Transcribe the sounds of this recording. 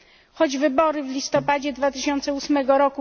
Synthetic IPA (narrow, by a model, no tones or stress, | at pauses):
xɔd͡ʑvɘbɔɾɘvlʲist̪ɔpad͡ʑɛd̪vat̪ɘɕɔnt̪sɛusmɛɡɔɾɔku